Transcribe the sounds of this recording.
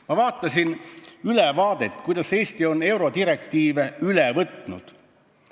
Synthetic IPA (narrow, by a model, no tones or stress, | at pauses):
mɑvɑːt̪ˑːɑsinylɛvɑːd̪̥e̞t̪ːˑkujd̪̥ɑse̞ːst̪io̞ne̞wɾo̞d̪iɾe̞kt̪iːveylɛvɤt̪nṵd̪̥